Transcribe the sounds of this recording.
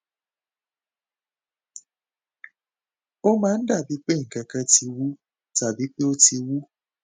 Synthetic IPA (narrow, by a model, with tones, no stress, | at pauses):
o˦mãː˨˦n̩˦da˦˨bi˨˦k͡pe˦˨ŋ̩˨kɛ˧kɛ˦ti˧wu˦ | ta˨bi˨˦pe˦o˦ti˧wu˦